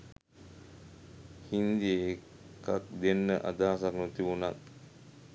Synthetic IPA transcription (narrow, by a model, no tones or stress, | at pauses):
hind̪ie | kak̚d̪enːəʔa̰d̪aːsaknut̪iʋunat̪̚